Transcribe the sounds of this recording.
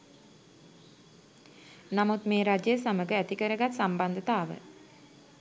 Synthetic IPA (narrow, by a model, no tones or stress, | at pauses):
namut̪meːɾad͡ʒəjəsaməɡəæt̪ikəɾəɡat̪samband̪ət̪aːʋə̰